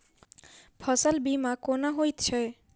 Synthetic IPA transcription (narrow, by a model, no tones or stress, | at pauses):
pʰʌsəlbimakonaɦojt̪t͡ʃʰe